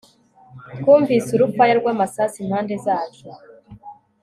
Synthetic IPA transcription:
kuːɱviːsuɾupwajaɾɡwaːmasaːsinhaːnde̞zaːt͡ʃo

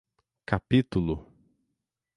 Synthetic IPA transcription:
kapit̪ulʊ

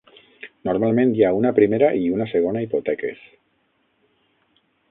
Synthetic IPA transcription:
noɾmalˠmẽnjaunapɾimeɾaʔiunaseɣ̞onaipot̪ɛkḛs

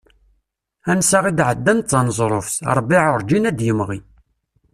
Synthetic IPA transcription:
ænsaʁid̪ʕəd̪ːænt̪t͡sːɑnzˤɾˤofsɑ̰ɾˤbiʕʊɾˤd͡ʒinæd̪jəmʁi

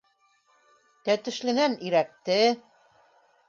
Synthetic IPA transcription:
t̪æt̪ɵ̆ʃlɘ̆næniɾæk̚t̪ɘ

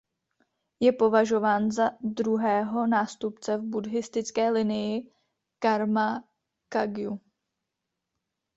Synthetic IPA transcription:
jɛpo̞vaʒo̞vaːnzad̪ɾuɦɛːɦo̞naːst̪upt͡sɛvbudɦɪst̪ɪt͡skɛːlɪnɪjɪ | kaɾma | kaɡju

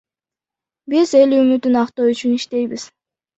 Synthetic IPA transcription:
bize̞lymyt̪ynɑqt̪oyt͡ʃyniʃt̪e̞jbiz̥

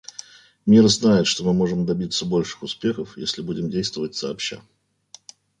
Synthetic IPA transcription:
mʲirznajɪt̪ʂt̪o̞mɨmo̞ʐɨmd̪ɐbʲit̪sːəbo̞lʲʂɨ̥xʊspʲe̞xəfjḛsʲlʲɪbudʲɪmdʲejst̪vəvət̚ʲsɐːpɕa̰

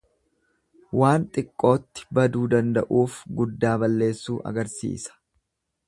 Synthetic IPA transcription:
waːnt̪ʼɪkʼːo̞ːt̪ːɪ̥bɐd̪uːd̪ɐnd̪ɐ̰ʔuːfɡʊd̪ːaːbɐlːe̞ːsːuːʔɐ̰ɡɐɾsḭːsɐ̥

